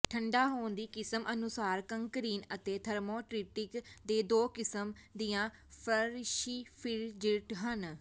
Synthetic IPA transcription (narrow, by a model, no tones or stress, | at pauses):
ʈʰəɳɖaːɦoːnd̪iːkɪsəmʔənʊsaːɾkəŋkəɾiːnət̪eːt̪ʰəɾmõːʈɾiːʈɪkd̪eːd̪oːkɪsəmd̪iːjãː | pʰəɾʃiːpʰɪld͡ʒɪlʈɦən